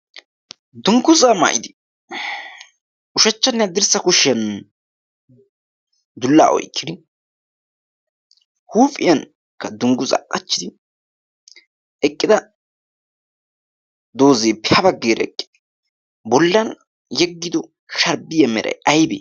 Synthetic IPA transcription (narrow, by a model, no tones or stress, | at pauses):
d̪ʊŋɡʊzaːma̰ːʔɪd̪ɪ̥ | ʔʊʃɛt͡ʃːɐnːɪjɐd̪ɪɾsɐkʊʃɪjɐn | d̪ʊlːa̰ːʔɔ̰jkːɪd̪ɪ | huːfʼɪjɐn | kːɐd̪ʊŋɡʊza̰ːkʼːɐt͡ʃːɪd̪ɪ | ɛkʼːɪd̪ɐ | d̪oːzeːpɪɐbɐɡːeːɾɐɛkʼːɪ̥d̥ɪ̥ | bɔlːɐn | jɛɡːɪd̪ɔ | ʃɐɾbɪjɐmɛɾɐ̰jɐjbḛː